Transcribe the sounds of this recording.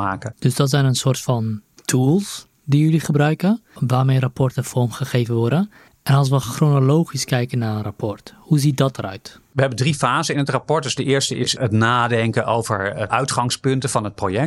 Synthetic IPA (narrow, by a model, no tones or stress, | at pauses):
aːkəd̥ɵsdɔtsɛjnənsʊːrtfɑntʰuːlˠs | dijʏliχəbrœɥkəʋaːrmejrapɔrtəfɔɹmχəχejvənʋɔɹdən | ʔɛnɑlˠs̬ʋəχronolowχiskɛjkənːaːənrapʰɔrthuzit̚dɔt̚dəɾœ̰ɥtʋəɦɛbəndrifaːzənɪnətrapɔɹtdɵzdəʔɪːɹstəɪsətnaːdɛŋkənʔowvəɹʔœɥtχɑŋspɵntəvɑnɦət̚projɛk̚